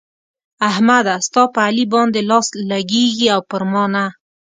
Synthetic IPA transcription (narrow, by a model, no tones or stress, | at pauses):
ahmad̪ast̪ɑpəalibɑnd̪elɑslaɡeɡiawpəɾmɑna